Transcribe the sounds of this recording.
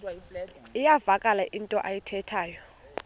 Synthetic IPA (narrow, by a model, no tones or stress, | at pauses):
ijavakʼalaʔintʼɔʔajitʰɛtʰaːjɔ